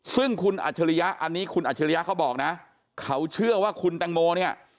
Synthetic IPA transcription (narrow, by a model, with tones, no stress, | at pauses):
sɯ˥˩ŋkʰu˧nʔa̰˨˩t͡ɕʰa˧ɾi˧ja˦˥ʔa˧nːiː˦˥kʰu˧nʔaː˨˩a˧ɾi˧ja˦˥kʰa˦˥wbɔː˨˩k̚na˦˥ | kʰa˦˥wt͡ɕʰɯ˥˩ɐwaː˥˩kʰu˧nt̪ɛ˧ŋmoː˧ni˥˩ɐ